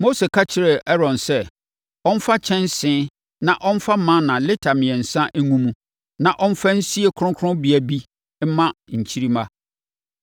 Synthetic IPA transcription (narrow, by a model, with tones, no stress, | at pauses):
mo˦se˨kʰa˦t͡ɕʰɪ˦ɾɛ˨ɛ˦ɾɔ̃˨nsɛ˦ | ɔ̃˦n̩˦fa˦t͡ɕʰɛ̃˦n˦sɪ̃˦ | nã˨ʔɔ̃˦n̩˦fa˦mã˦nã˨lɪ˦tʰa˨mɪ̃˨ɛ̃˨n̩˨sã˦ʔŋũ˦mũ˦ | nã˨ʔɔ̃˦n̩˦fa˦n̩˦si˦e˨kʰʊ˦ɾʊ̃˦kʰʊ˦ʊ̃˦bi˨æ˨bi˦ | m̩˦mã˦ɲ̩˨t͡ɕʰi˦ɾi˦mã˦